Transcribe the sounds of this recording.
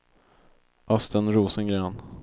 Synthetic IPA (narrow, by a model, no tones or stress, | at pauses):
ʔast̪ʰənɾuːsənɡɾɛːn